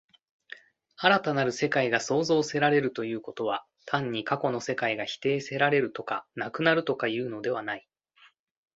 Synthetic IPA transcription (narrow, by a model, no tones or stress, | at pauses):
aɾat̪anaɾɯ̟se̞kaiɡaso̞ːzo̞ːse̞ɾaɾe̞ɾɯ̟t̪o̞jɯ̟ːko̞t̪o̞β̞a | t̪ʰãɲ̟ːikako̞no̞se̞kaiɡaçi̥t̪e̞ːse̞ɾaɾe̞ɾɯ̟t̪o̞kanakɯ̟naɾɯ̟t̪o̞kajɯ̟ːno̞d̪e̞βanai